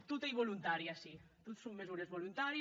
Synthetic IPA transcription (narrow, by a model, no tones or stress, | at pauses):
t̪ut̪ajβolunt̪aɾjiasit̪ut̪soŋmezuɾezβolunt̪aɾ